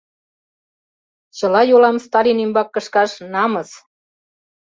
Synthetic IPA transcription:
t͡ɕəlɑjolɑmst̪ɑlʲinembɑkːə̆ʃkɑʃnɑmɤs

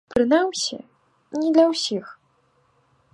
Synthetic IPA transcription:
pɾɨnawsʲḭ | nʲid̪lʲɐwsʲix

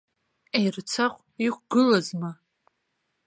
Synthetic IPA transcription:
ejrɨt͡sʰaχʷ | iχʷɡɨlɐzma

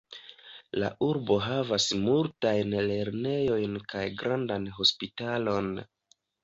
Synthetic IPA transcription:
la̰ʔuɾbo̞ɦavasmultajnle̞ɾne̞jo̞jnkajɡɾandanɦo̞spitalo̞n

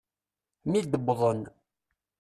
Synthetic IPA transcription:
mid̪əbːðˤən

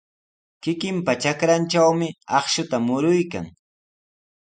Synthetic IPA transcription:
kɪkɪmpat͡ʃakɾant͡ʃawmɪɑχʃʊt̪amʊɾʊjka̰ŋ

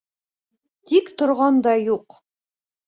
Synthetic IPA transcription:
t̪ikt̪ŏɾʁɑnd̪ɑjuq

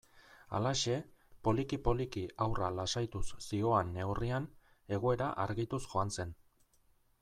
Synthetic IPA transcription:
a̰laʃe̞po̞likipo̞likiʔawralasajt̪usːio̞anːe̞wrian | e̞ɣ̞o̞e̞ɾaʔaɾɣit̪usxo̞anse̞n

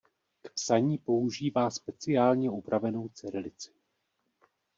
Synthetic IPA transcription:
kpsaɲiːpo̞uʒiːvaːspɛt͡sɪaːlɲɛupɾavɛno̞wt͡sɛɾɪlɪt͡sɪ̥

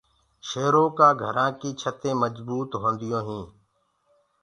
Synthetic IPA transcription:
ʃeːɾõːkãːɡʱəɾãːkiːt͡ʃʰət̪ẽːməd͡ʒbuːt̪ɦõːnd̪ɪjõːɦĩː

